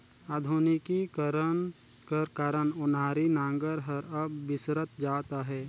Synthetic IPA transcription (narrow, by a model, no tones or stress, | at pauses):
aːd̪ʱunɪkikəɾənkəɾkaːɾənʊnaːɾinãːŋɡəɾɦəɾəbːɪsɾət̪d͡ʒaːt̪aɦɛː